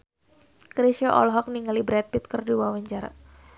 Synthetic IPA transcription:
kɾisjɔʔɔ̰lɦɔk̚niŋalibɾɛt̪̚pit̪̚kərduwawaɲt͡ʃaɾa̰

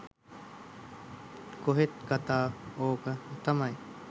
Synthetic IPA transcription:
koɦet̪̚kɐt̪aːoːkɐt̪ɐmɐj

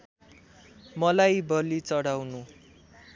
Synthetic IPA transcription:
mʌlajbʌlit͡sʌɽawnu

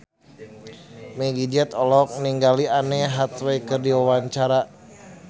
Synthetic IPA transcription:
mɛɡid͡ʒɛt̪ɔlɔk̚niŋɡalianɛɦat̪wɛkərdiwawaɲt͡ʃaɾa

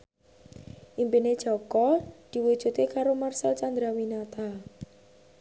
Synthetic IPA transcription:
ʔimpined̥ʒ̥ɔ̤kɔd̪̥i̤wud̥ʒ̥ṳt̪ekaɾomarsəlt͡ʃand̪ɾawinat̪a

